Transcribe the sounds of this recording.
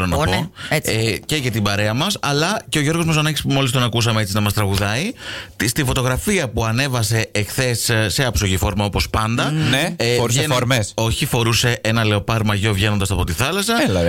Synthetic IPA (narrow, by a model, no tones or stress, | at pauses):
ɾonɐpoece̞ʝɐt̪ibɐɾe̞ɐmɐsɐlɐce̞oʝo̞ɾɣozmɐs̬onɐcispumo̞list̪o̞nɐkusɐmeet͡sinɐmɐst̪ɾɐɣuðɐit̪st̪ifo̞t̪o̞ɣɾɐfiɐpuɐne̞vɐse̞ːxθe̞sːe̞ɐpsoʝifo̞ɾmɐo̞po̞spɐnd̪ɐneɾuoɾmeso̞çifo̞ɾuse̞ʔenɐle̞o̞pɐɾmɐʝo̞vʝe̞nond̪ɐsɐpo̞t̪iθɐlɐsɐ